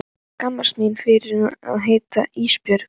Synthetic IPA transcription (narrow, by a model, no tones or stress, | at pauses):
kamːasminfɪɾɪɾa̰ðɦeːjt̪aiːspjœɾ